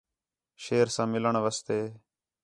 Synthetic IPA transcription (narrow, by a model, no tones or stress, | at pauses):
ʃeːɾsãːmɪləɳʋəst̪eː